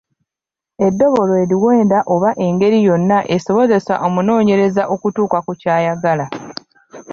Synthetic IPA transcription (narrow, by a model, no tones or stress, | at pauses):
e̞dːo̞βo̞loeɾiwe̞ːndaʔo̞βaʔe̞ŋɡe̞ɾijo̞nːaʔeso̞βo̞ze̞sa̰ʔo̞muno̞ːɲe̞ɾe̞zaʔo̞kutuːkakucaːjaɡala